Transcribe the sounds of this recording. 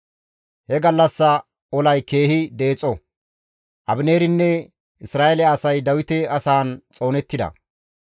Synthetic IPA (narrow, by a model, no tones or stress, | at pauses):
hɛɡɐlːɐsːɐ | ɔlɐjke̞ːhɪd̪e̞ːt͡sʼːɔ | ʔɐbɪneːɾɪnːɛ | ɪsɾaːʔɛlɛɐsɐjd̪ɐwɪt̪ɛɐsaːnt͡sʼo̞ːnɛt̪ːɪd̪ɐ̰